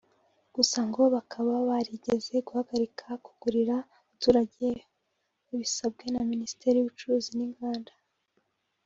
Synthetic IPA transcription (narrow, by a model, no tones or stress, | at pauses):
ɡ̥usaŋɡo̞βakʰaβaβaɾiɟeze̞ɡuhaɡaɾikʰaku̥ɡ̥uɾiɾa | atuːɾaɟe | uβisabɡe̞naminisi̥te̞ɾijuβut͡ʃuɾuːziniŋɡaːnda